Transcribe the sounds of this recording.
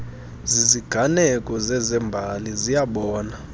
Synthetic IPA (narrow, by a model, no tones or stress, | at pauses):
ziziɡ̥ʱanɛkʼɔzɛzɛmbʱalizijaɓɔːna